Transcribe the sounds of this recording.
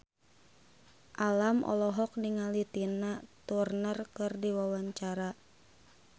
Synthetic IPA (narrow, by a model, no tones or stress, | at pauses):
ʔalamʔɔ̰lɔɦɔk̚niŋalit̪inat̪urnərkɨrdiwawaɲt͡ʃaɾa